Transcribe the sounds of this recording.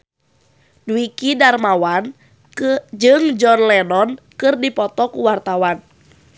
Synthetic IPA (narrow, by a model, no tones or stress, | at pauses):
dwikidarmawan | d͡ʒɨŋd͡ʒɔnlɛnɔn | kɨrdipɔt̪ɔkuwart̪awan